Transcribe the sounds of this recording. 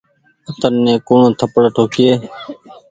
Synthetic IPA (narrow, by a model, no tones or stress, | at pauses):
ət̪ənnẽːkuːɳõːt̪ʰəpəɽʈʰoːkɪjeː